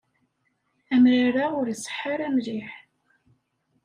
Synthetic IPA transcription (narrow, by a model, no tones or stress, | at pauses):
æmɾaɾaʁʊɾisˤːə̥ħːaɾæmliħ